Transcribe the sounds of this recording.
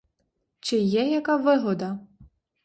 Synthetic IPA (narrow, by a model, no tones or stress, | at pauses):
t͡ʃɪjɛjɐkaʋɪɦɔd̪ɐ